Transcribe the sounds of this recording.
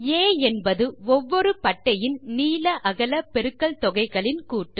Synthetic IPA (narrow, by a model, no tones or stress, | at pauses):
eːɛnbɐðɯɔʋːɔɾɯpɐʈːɐjɪnniːlɐʔɐɣɐlɐpɛɾɯkːɐɭt̪ɔɣɐɪɣɐɭɪnkuːʈːɯ